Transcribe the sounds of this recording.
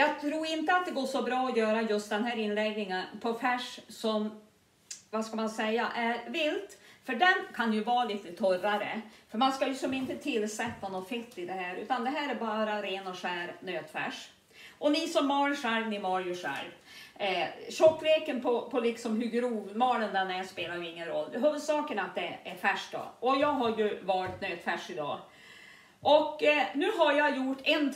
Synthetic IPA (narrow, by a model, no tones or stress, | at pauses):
jɑːɡt̪ʰɾuːɾɪnt̪əat̪̚d̪ɛɡoːʂɔbɾɑːɔjœːɾajɵst̪̚d̪ɛnɦæːɾɪnlɛɡnɪŋənpʰɔfɛʂsɔm | vaskamansɛjːaʔæɾvɪlt̪fœɖɛnkʰanjɵvɑːliːt̪ət̪ʰœraɾə̰fœɾmanskajɵsɔmɪnt̪ət̪ʰɪlsɛt̪ːanɔfɪt̪ːɪd̪ɛhæːɾʉ̟ːt̪and̪ɛɦæːɾæɾbɑːɾaɾeːnɔʂæːɾnøːt̪fɛ̰ʂ | ʔɔnisɔmːɑːɾʂɛɾnɪmɑɾjɵʂæ̰ɾ | ɕɔkːɾeːkənpʰɔpʰɔlɪksɔmɦɵɡɾuːvmɑːlənd̪ɛnæspeːlaɾjɵɪŋːənɾɔlːd̪ɛɦœvəʂɑːkənat̪̚d̪ɛæɾfæʂk̚d̪ɔ̰ɔjɑːɡɦaɾjɵvɑːɾt̪nøːd̪fæʂɪd̪ɑ̰ː | ʔɔkːnʉ̟ːɦaɾjɑjʊʈːɛn